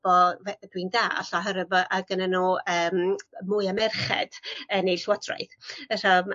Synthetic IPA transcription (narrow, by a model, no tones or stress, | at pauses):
bɔvd̥windaːa̰ɬɔɦəɾəvɔʔaɡənanuəːmmʊɨamɛrχɛ̰d̥ənejɬwɔdra̰ɨθəram